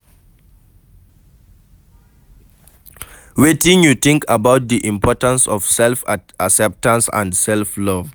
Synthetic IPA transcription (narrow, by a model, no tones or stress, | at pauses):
wetĩnjuθɪ̃ŋkəbaʊt̚ðiʔĩmpʰɔtə̃nsɔv̥sɛlfasɛp̚tãnsã̰ndsɛlflɔv